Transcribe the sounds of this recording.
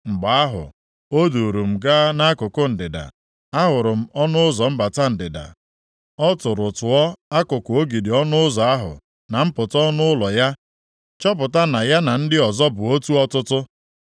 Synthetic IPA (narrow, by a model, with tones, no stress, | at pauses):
ŋ͡m̩˨ɡ͡ba˨a˦ɦʊ̰˨ | o˦du˨ɾu˨m̩˨ɡa˦na˦kʊ˨kʊ˦n̩˨dɪ˨da̰˨ | a˦ɦʊ˨ɾʊ˨m̩˦ɔ˦nʊ˦ʊ˦zɔ˨m̩˦ba˨ta˦n̩˨dɪ˨da̰˨ | ɔ˦tʊ˨ɾʊ˨tʊ˨ɔ˦a˦kʊ˨kʊ˨o˦ɡi˨di˨ɔ˦nʊ˦ʊ˦zɔ˨a˦ɦʊ̰˨ | na˨m̩˦pʊ˨tɔ˦nʊ˦ʊ˦lɔ˨ja˦ | t͡ʃɔ˦p̬ʊ˨ta˦na˨ja˦na˨n̩˦dɪ˦ɔ˨zɔ˦bʊ˨o˦tu˦ɔ˦tʊ˦tʊ˦